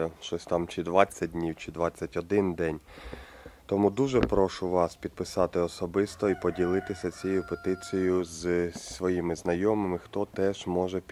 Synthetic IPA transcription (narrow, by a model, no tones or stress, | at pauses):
ʃt͡ʃɔsʲt̪ɑmt͡ʃɪd̪ʋɑt͡sʲːɐt̚ʲdʲnʲiwt͡ʃɪd̪ʋɑt͡sʲːɐtʲɔd̪ɪnd̪ɛnʲ | t̪ɔmud̪uʒɛpɾɔʃʊʋɑspʲid̪̚pɪsɑt̪ɪɔsɔbɪst̪ɔipɔdʲilˠɪt̪ɪsʲɐt͡sʲɛjʊpet̪ɪt͡sʲijjʊzsʋɔjimɪznɐjɔmɪmɪxt̪ɔt̪ɛʒ̥mɔʒɛpʲ